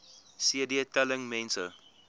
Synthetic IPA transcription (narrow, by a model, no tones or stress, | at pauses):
siədiətɛləŋmɛ̃nsə